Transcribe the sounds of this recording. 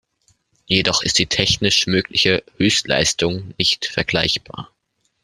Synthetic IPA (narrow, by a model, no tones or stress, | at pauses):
jedɔχɪst̚d̥iːtʰɛçnɪʃmøːkʰlɪçəhøːstla̰ɪstʊŋnɪçtfɛɐɡlaɪçb̥a̰ːɐ